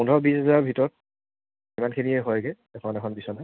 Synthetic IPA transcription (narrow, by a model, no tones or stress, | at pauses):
undʱɔbisɦɛzaɹbʱitɔɹɔt̚ | imankʰiniɛɦɔjɡɛ | ɛkʰɔnɛkʰɔnbisɔna